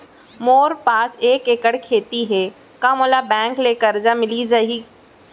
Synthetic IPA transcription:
moːɾpaːseːkeːkəɽkʰeːt̪iɦɛː | kamolabɛ̃ːŋkleːkəɾd͡ʒamɪlid͡ʒaɦiː

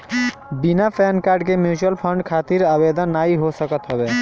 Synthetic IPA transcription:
binapʰɛnkaɾɖkemjut͡ʃuəlpʰəɳɖkʰat̪iɾəbed̪ənːaiɦosəkət̪ɦəbe

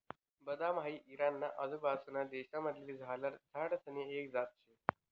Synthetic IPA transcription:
bəd̪amɦaiːʔiɾanːaʔəd̪əbasunad̪eɕaməd̪ʱleːd͡zʱalaɾd͡zʱaɽsəneekd͡zat̪̚t͡ɕʰe

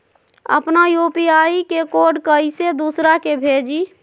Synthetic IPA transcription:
ə̰pnajopiaikekoɖkəɪsed̪usɾakebʱed͡ʒi

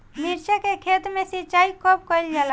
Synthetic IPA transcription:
miɾt͡ʃəkekʰet̪mesit͡ʃaikɔp̚kəjld͡ʒala

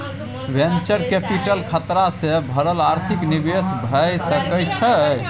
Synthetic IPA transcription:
bent͡ʃəɾkepiʈəlkʰət̪ɾasebʱəɾəlaɾt̪ʰiknibesbʱəjsəkət͡ʃʰə

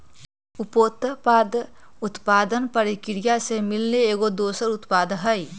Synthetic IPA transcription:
upoːt̪pad̪ut̪paːd̪ənpəɾikɾijasemɪlneeːɡod̪oːsəɾut̪paːd̪ɦəj

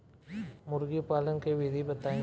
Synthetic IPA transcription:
mʊɾɡipaːlɐŋkeʋɪd̪ʱibɐt̪aː

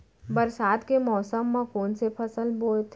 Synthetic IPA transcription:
bɐɾsaːd̪kemɔːsəmːãkoːnsepʰɐsəlboːlt̪ʰ

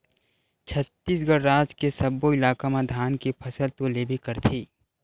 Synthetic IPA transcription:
t͡ʃʰɐt̪ːiːsɡəɽɾaːd͡ʒkesɐbːoɪlaːkamãd̪ʱaːnkipʰɐsəlt̪koleːbʱikɐɾt̪ʰiː

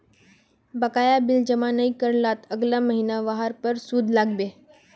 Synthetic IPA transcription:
bəkajabild͡ʑəmanəikəɾlat̪ʰəɡlaməɦinaʋaɦaɾpəɾsuːd̪ʱlaɡbe

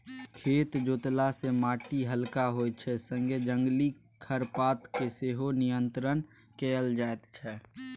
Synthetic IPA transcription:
kʰeːt̪d͡ʒoːt̪lasemaːʈiɦəlkaɦot͡ʃʰɛsə̃ŋɡed͡ʒəŋɡli | kʰəɾpaːt̪keseɦonijənt̪ɾən | keəld͡ʒaet̪t͡ʃʰɛ

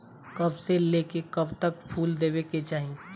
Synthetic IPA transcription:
kɐbseleːkekɐbt̪əkpʰuːld̪eːweket͡ʃaːɦi

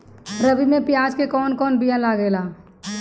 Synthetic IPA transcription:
ɾəbimẽpjaːd͡ʒkekɔːnkɔːnbijãlaːɡeːlaː

